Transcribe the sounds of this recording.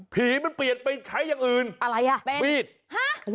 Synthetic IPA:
pʰiː˨˩˦ma˧npli˨˩ət̪̚pa˧jt͡ɕʰa˦˥jːaː˨˩ŋʔɯː˨˩nʔa˧ɾa˧jʔa˧˩pe˧wiː˥˩t̪̚ha˦˥

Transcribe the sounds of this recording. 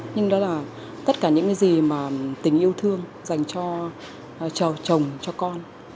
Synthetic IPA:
ɲɨ˧ŋɗɔ˨˦laː˨˩ | t̪ə˦˥t̚kaː˧˩ɲɨ̰˧˥ŋkaː˨˦jzi˨˩maː˨˩t̪ï˨˩ŋ̟ʔi˧əwt̪ʰɨ˧əŋ | za˨˩jŋ̟t͡ɕɔ˧ | t͡ɕə˨˩t͡ɕə˨˩wŋ͡mt͡ɕɔ˧kɔ˧n

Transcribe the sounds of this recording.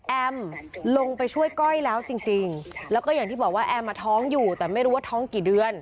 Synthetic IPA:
ʔɛ˧mlo˧ŋpa˧jt͡ɕʰu˥˩əjkɔ˥˩jlɛː˦˥wt͡ɕi˧ŋt͡ɕi˧ŋlɛː˦˥wkɔː˥˩jaː˨˩ŋt̪iː˥˩bɔː˨˩kwaː˥˩ʔɛ˧mːaː˧t̪ʰɔː˦˥ŋjuː˨˩t̪ɛː˨˩ma˥˩jɾuː˦waː˥˩t̪ʰɔː˦˥ŋkiː˨˩dɯ˧ən

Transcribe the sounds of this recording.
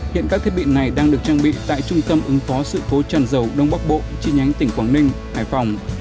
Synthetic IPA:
hḭ˧˨ənkaː˦˥t̪ʰt̚ɓḭ˧˨əna˨˩jɗaː˧ŋɗɨ˨˩ək̚t͡ɕaː˧ŋɓḭ˧˨t̪a̰ː˧˨jt͡ɕʊ˧ŋ͡mt̪ə˧mʔɨ˨˦ŋfɔ˨˦sɨ̰˧˨ko˨˦t͡ɕaː˧˩nzə˨˩wɗə˧wŋ͡mɓa˦˥k̚ɓo̰˧˨t͡ɕi˧ɲa˨˦jŋt̪ï˧˩ŋ̟kwaː˧˩nnï˧ŋ̟haː˧˩jfa˨˩wŋ͡m

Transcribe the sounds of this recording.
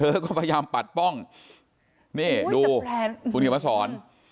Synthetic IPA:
ɤː˦˥kɔː˥˩pʰa˧jaː˧mpa˨˩t̪̚pɔ˥˩ŋ | niː˥˩duː˧ku˧nki˨˩ma˧˥˩sɔː˩˦n

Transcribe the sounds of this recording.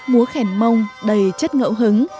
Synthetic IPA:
mu˨˦əxɛ˧˩ŋmə˧wŋ͡mɗə˨˩jt͡ɕə˦˥t̚ŋə̰ː˧˥wɦɨ˨˦ŋ

